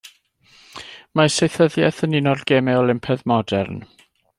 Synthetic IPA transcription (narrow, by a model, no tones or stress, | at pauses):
masejθəðjɛθənɪnɔdɡ̥ɛːmɛɔlˠɪmpʰɛðmɔdɛrn